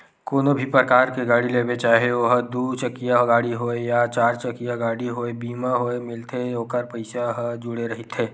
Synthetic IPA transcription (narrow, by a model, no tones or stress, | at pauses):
koːnobʱipɾəkaːɾkeɡaːɽileːbet͡ʃaːɦeoɦəd̪ut͡ʃəkijaɦɡaːɽiɦoːejat͡ʃaːɾt͡ʃɐkijaɡaːɽiɦoːebiːmaɦoːemɪlt̪ʰeoːkəɾpɐɪsaɦd͡ʒʊɽeɾɐɦit̪ʰeː